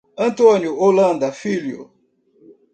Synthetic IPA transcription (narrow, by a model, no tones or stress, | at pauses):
ɐ̃nt̪õnjʊolɐ̃nd̪ɐfiljʊ̰